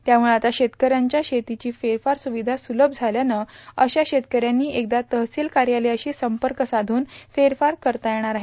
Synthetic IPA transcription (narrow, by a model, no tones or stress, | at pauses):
t̪jamuɭeat̪aɕet̪kəɾjaɲt͡ɕjaɕet̪it͡ɕiːfeɾfaɾsuʋid̪ʱasuləb̚ʱd͡zʱaljanəəɕaɕet̪kəɾjanːiːʔek̚d̪at̪əɦsilkaɾjaleəɕiːsəmpəɾkəsad̪ʱuːnfeɾfaɾkəɾt̪ajeɽ̃aɾaɦe